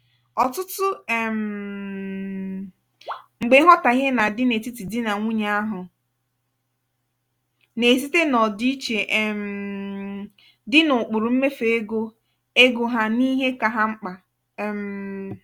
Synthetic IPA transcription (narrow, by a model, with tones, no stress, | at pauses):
ɔ˨tʊ˦tʊ˦˨m̩˨ | ŋ͡m̩˨ɡ͡be˨˦ɦɔ˦ta˨ɣe˦na˨dɪ˦ne˨ti˦ti˨dɪ˦na˨ŋʷu˦ɲa˦a˦ɦʊ˨ | ne˨z̬i˦te˦nɔ˨di˦i˦t͡ʃe˨ʔm̩˨ | dɪ˦nʊ˨k͡pʊ˨ɾʊ˨m̩˦me˦fe˨e˦ɡo˦ | e˦ɡo˨ɦa˦ni˦ɦe˦ka˨ɦa˦ŋ͡m̩˦k͡pa˨ | m˨